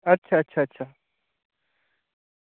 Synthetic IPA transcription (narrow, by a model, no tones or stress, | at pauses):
ɐtːɕʰaɐtːɕʰaɐtːɕʰa